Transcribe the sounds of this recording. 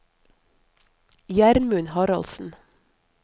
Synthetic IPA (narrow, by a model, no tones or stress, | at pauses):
jæɾmʉnhɑɾɑ̰lsn̩